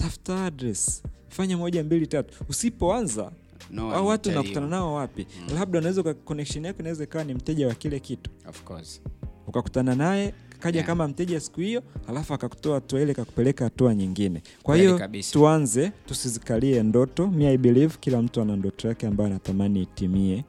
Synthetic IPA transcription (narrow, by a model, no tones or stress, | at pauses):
tafutaadɾɛs | faɲamɔʄambilitatu̥usipɔanza̰ | aɔwatuːnaku̥tananaɔwapilab̚ɗaunawɛzaukakɔnɛkʃɔnakɔnawɛzaikawanim̩tɛʄawakilɛkitu̥fkɔsukaku̥tananajɛkaʄakamam̩tɛʄasi̥kuhijɔhalafuakaku̥tɔahatuailɛkaku̥pɛlɛkahatuaɲiŋɡinɛ | kwahijɔtuanzɛtusizikaliɛndɔtɔmiaiɓilivkilam̩tuanandɔtɔjakɛambajanatamaniːtimiɛ